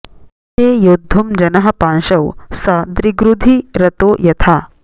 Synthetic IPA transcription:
t̪eːjoːd̪ʱːumd͡ʒɐnɐɦɐ̆paːnʃɐwsɐd̪ɾiɡɾud̪ʱiɾɐt̪oːjɐt̪ʰaː

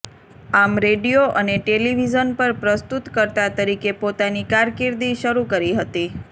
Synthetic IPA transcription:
amɾeɖijoʔəneʈeliʋid͡ʒənpəɾpɾəst̪ut̪kəɾt̪at̪əɾikepot̪anikaɾkɪɾd̪iʃəɾukəɾiɦət̪i

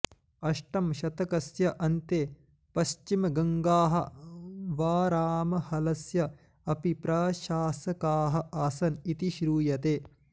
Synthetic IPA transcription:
ɐʂʈɐmʃɐt̪ɐkɐsjɐʔɐnt̪eː | pɐʃt͡ʃimɐɡɐŋɡaːɦɐ̰ | ʋaːɾaːmɐhɐlɐsjɐ | ɐpipɾɐʃaːsɐkaːɦɐ̆ʔaːsɐnit̪iʃɾuːjɐt̪eː

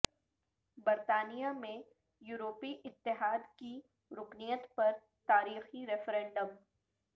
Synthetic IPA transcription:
bɐɾt̪aːnijamẽ | juːɾoːpiʔɪt̪ːɪɦaːd̪ki | ɾʊknijət̪pɐɾ | t̪aːɾiːxiɾɛfɾẽːɳɖəm

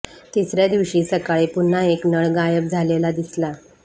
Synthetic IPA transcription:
t̪isɾjad̪iʋɕiːsəkaɭipun̤ːaeknəɭɡajəp̚d͡zʱalelad̪isla

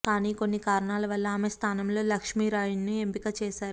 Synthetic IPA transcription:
kaːniːko̞nːikaːɾɐɳaːlɐʋɐlːɐaːmest̪ʰaːnɐmlo̞ːlɐkʂmiːɾaːjuɳnuempikɐt͡ʃɛːʃaːɾu

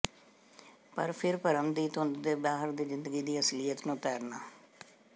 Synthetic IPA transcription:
pəɾpʰɪɾpəɾəmd̪iːt̪ʊnd̪d̪eːbaːɦəɾd̪iːzɪnd̪əɡiːd̪iːəslijət̪nũːt̪ɛːɾna̰ː

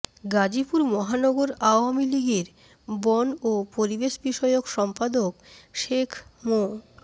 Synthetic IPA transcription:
ɡad͡ʑipuɾmɔɦanɔɡoɾaoamiliɡeɾ | bɔnopoɾibeʃbiʃɔejokʃɔmpad̪okʃekʰmo

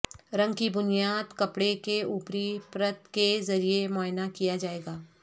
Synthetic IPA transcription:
ɾɐ̃ŋɡkibʊnijaːd̪kɐpɽekeuːpɾipɾət̪kezɐɾiemɔːɦɪnakijad͡ʒaːeːɡaː

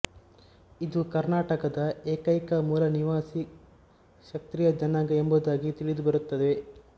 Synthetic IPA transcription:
id̪ukɐɾnaːʈɐkɐd̪ɐeːkɐjkɐmuːlɐniʋaːsi | ʃɐk̚t̪ɾijɐd͡ʒɐnaːɡɐembuːd̪aːɡit̪iɭid̪ubɐɾut̪ːɐd̪e

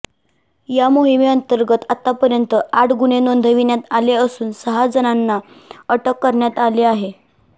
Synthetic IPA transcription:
jamoɦimeənt̪əɾɡət̪at̪apəɾjənt̪əaʈɡuɳenond̪ʱəʋinjat̪aleəsuːnsəɦad͡zənanːa | əʈəkːəɾɳjat̪aleaɦe

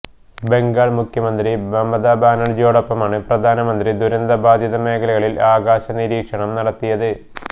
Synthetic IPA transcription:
be̞ŋɡaːɭmukʰjɐmɐnd̪ribɐmbɐd̪aːbʱaːnɐɭd͡ʑoːɽɐpːɐmaːɳɨprɐd̪ʱaːnɐmɐnd̪rid̪uɾɐnd̪ɐbʱaːd̪ʱjɐðɐme̞ːkʰɐlɐɣɐɭilaːɡaːɕɐniɾiːkʂɐɳɐmnɐɽɐt̪ːijɐðɨ

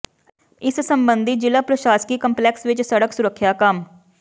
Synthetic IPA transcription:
ɪssəmbənd̪ʱid͡ʒɪlapɾəʃaːskiːkəmplɛːksʋɪt͡ʃsəɽəksʊɾəkʰːjaːkəm

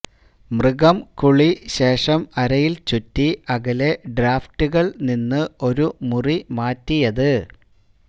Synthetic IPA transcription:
mrɨɣɐmkuɭiɕe̞ːʂɐmɐɾɐjilt͡ɕutːiʔɐɣɐle̞ɖɾaːftuɣɐɭninːɨo̞ɾumurimaːtːijɐðɨ

